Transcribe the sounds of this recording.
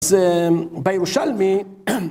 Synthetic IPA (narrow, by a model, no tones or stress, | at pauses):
z | bajeɾuʃalmi